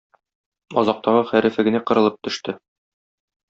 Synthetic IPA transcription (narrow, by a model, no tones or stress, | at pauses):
ɒzɑq̚t̪ɑʁɤχæɾʔɘ̆fæ̆ɡɘ̆næqɤ̆ɾɤ̆lˠɤp̚t̪ɵ̆ʃt̪ɘ